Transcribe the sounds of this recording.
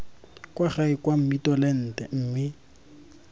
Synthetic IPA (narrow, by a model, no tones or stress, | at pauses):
kʼwaχaɪkʼwam̩mitɔlɛn̩ːtʼɛ̰ŋ̩ːmɪ